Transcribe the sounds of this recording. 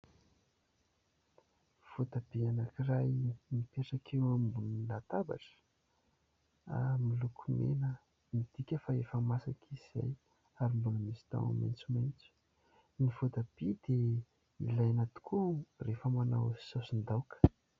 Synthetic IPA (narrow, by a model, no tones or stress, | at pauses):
v̥ot̪ab̥eanakirajnipeʈ͡ʂakʰewambunilat̪aba̰ʈ͡ʂə̥ | a̰milukʰumḛnə | mid̪̥ikʲəfaefəmasakʰiz̥a̰j | aɾimbunəmisi̥t̪a̰w̰ma̰jnt͡sumajnt͡su̥ | nivot̪ab̥id̪̥e | ḭlajanat̪u̥kʰurefəmana̰wsosind̪awkə̥